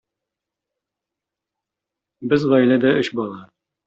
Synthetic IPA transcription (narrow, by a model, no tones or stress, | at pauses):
bɘzʁɑjlæd̪æɵɕbɑlˠɑ